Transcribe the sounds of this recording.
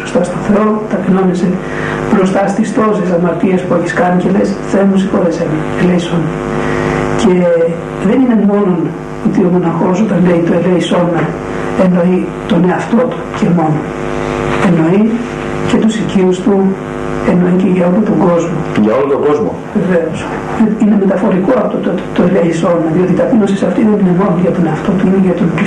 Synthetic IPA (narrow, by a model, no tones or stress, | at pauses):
pɾost̪ɐst̪oθeo̞t̪ɐpino̞nese | pɾo̞st̪ɐst̪ist̪o̞sisɐmɐɾt̪iɐspue̞çiskɐɟelesθemusixoɾesenɐ | eleiso̞nɐ | ce̞ | ðe̞nine̞mo̞non | ot̪io̞mo̞nɐɾxo̞so̞t̪ɐnleit̪oeleiso̞nɐ | eno̞i | t̪o̞ne̞ɐft̪o̞t̪u̥ce̞mo̞non | e̞no̞i | ce̞t̪usiciust̪u | e̞no̞iceʝɐo̞lot̪oŋɡo̞zmoʝɐo̞lot̪oŋɡo̞zmo | ve̞veos | eine̞me̞t̪ɐfo̞ɾikoɐpot̪ot̪ot̪oeleiso̞nɐðio̞t̪it̪ɐpinosisɐft̪iðe̞nine̞mo̞nonʝɐt̪o̞neɐft̪o̞t̪uineʝɐt̪on